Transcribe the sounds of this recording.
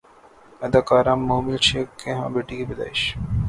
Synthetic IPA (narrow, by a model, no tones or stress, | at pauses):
ɐd̪akaːɾamːoːmilt͡ʃʰeːkːeɦã̰beːʈikibɐd̪a̰ːɪʃ